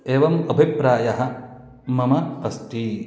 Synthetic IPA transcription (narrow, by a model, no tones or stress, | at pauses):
eːʋɐmɐbʱipɾaːjɐɦɐ̆ | mɐmɐɐsʈiː